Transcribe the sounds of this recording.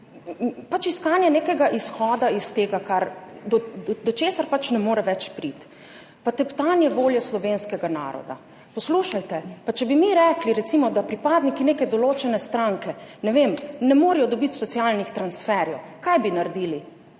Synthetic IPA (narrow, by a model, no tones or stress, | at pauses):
pat͡ʃiskaːnjɛneːkɛɡaʔisxɔːd̪aist̪eːɡakaɾd̪ɔd̪ɔt͡ʃeːsaɾpat͡ʃnɛmoːɾɛʋɛt͡ʃpɾit̪ | pat̪ɛpt̪anjɛʋoːljɔslɔʋenskɛɡana̰ːɾɔ̰d̪a̰ | pɔsluːʃajt̪ɛpat͡ʃɛbimiɾɛkliɾɛt̪simɔd̪apɾipaːd̪nikineːkɛd̪ɔloːt͡ʃɛnɛst̪ɾaŋkɛnɛʋemnɛmoːɾɛjɔd̪ɔbit̪sɔt̪sjalnixt̪ɾansfɛɾjɛwkajbinaɾd̪iːli